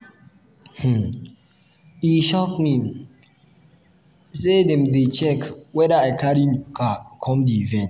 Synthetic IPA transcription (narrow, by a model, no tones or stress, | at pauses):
h̩ | iʃɔkmi | sedɛ̃mdet͡ʃɛkwɛdaaɪkʰaɾikakʰɔ̃mdiivɛ̃nt